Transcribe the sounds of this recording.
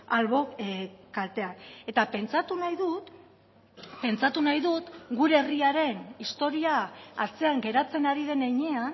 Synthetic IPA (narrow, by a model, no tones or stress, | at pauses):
alβo̞kalt̪e̞ane̞t̪ape̞nt͡sat̪unajðut̪ | pe̞nt͡sat̪unajðut̪ɡuɾe̞eriaɾe̞nist̪o̞ɾiaːɾt͡se̞aŋɡe̞ɾat͡se̞naɾiðe̞nejɲe̞an